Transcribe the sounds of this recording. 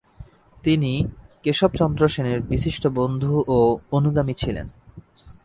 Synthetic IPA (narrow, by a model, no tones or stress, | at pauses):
t̪inikeʃɔb̚t͡ɕɔnd̪ɾoʃeneɾbiʃiʃʈobond̪ʱuʔoonuɡamit͡ɕʰilḛn